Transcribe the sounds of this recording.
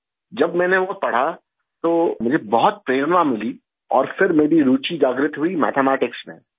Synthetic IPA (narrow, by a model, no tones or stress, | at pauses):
d͡ʒɐbmɛ̃ːneʋopɐɽ̤a | t̪oːmʊd͡ʒʱebɔɦʊt̪̚pɾeːɾənʋamɪli | ɔ̰ːɾfɪɾmeːɾiɾuːt͡ʃid͡ʒaːɡɾɪt̪ɦuimɛ̰ːt̪ʰemɛːʈɪksmḛ̃